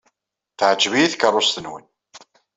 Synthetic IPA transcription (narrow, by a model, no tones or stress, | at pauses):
θʕd͡ʒvijiθkərˤːʊst̪ənwə̰n